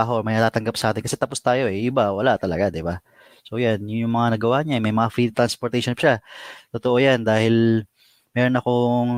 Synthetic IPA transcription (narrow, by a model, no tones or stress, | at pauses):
aɦoʔmɐjnɐt̪aːt̪ɐŋɡap̚sɐʔaːt̪ɪnkɐsɛt̪ɐpost̪aːjo̞ʔɛʔɪbawɐlaʔt̪ɐlɐɡad̪ɪba | so̞janjʊŋjʊŋmɐŋanɐɡɐwaʔɲaɛmɐjmɐŋafɾit̪ɾanspoɾt̪ɛjʃonpʃat̪ot̪oʔo̞jand̪aːhɪl | mɛːɾonɐkoŋ